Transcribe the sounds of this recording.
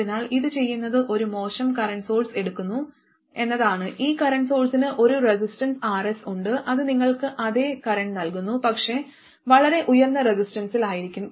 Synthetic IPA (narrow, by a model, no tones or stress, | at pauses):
inaːɭiðɨt͡ɕe̞jːunːɐðɨʔo̞ɾumo̞ːɕɐmkɐɾɐɳɖso̞ːlse̞ɽukːunːu | e̞nːɐðaːɳɨʔiːkɐɾɐɳɖso̞ːlsinɨʔo̞ɾuresisʈɐnsaːresuɳɖɨʔɐðɨniŋːɐɭkɨʔɐðe̞ːkɐɾɐɳɖnɐlkunːupɐkʂe̞ | ʋɐɭɐɾe̞ʔujɐrnːɐre̞sisʈɐnsilaːjiɾikʲːum